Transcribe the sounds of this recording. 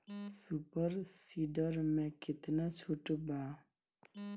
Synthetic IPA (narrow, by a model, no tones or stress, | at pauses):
supʌɾsiɖʌɾmẽkit̪nat͡sʰuʈba